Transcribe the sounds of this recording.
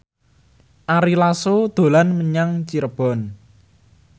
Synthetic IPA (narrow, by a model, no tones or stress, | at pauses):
ʔaɾilasod̪̥o̤lanməɲaŋt͡ʃiɾəb̥ɔ̤n